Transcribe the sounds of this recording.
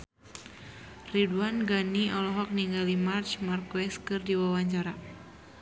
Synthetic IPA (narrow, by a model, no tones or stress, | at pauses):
riduanɡaniɔlɔɦɔk̚niŋɡalimart͡ʃmarkwɛskɨrdiwawaɲt͡ʃaɾa